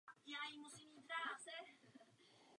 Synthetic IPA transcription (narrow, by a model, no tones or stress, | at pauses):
jɛlajimusimiːpɾaːt͡ssɛ